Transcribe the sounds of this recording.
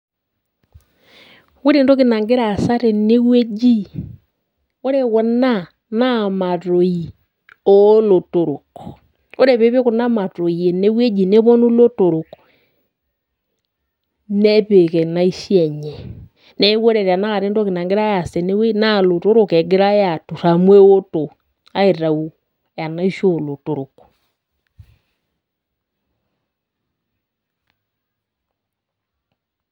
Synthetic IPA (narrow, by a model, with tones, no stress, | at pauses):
we˦ɾe˦˨ndo˦ke˨na˨ŋɡe˦ɾa˦˨sa˦ɾe˨ne˦we˦d͡ʒi˦ | o˦ɾe˦wɔ˦na˦ | na˦˨ma˨ɾo˨i˨ | o˦lo˨to˨ɾo˨ko˨ | o˦ɾe˨βe˦βe˦ko˨na˦ma˨to˨i˨e˨ne˦we˦d͡ʒi˨ne˦βɔ˦nu˦lo˦to˨ɾo˨k | nɛ˦βe˨kɛ˨na˨i˦ʃi˦ɛ˦˨ɲɛ˨ | nɛ˦wo˦ɾɛ˨ɾa˨na˦˨ɾe˦ndo˦ke˨na˨ŋɡe˦ɾa˦ja˨sɛ˨ne˦we˦na˦˨lo˨to˦ɾo˨kɛ˨ŋɡe˦ɾa˦ja˨tu˨ɾa˨mwe˦o˦to˨ | a˦e˨ɾa˨u˨ | ja˨na˦i˦ʃo˦˨lo˨to˨ɾo˨ku̥